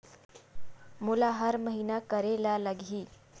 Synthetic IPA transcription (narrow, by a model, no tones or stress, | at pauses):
mulaɦəɾməɦinakəɾelaləɡʱiː